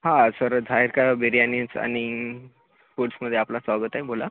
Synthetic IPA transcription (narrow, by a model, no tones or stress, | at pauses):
ɦãsəɾd̪ʱaiɾkabeɾijanit͡sa̰ɽ̃i | foʈsməd̪ʱːjeaplasʋaɡət̪aɦebʱola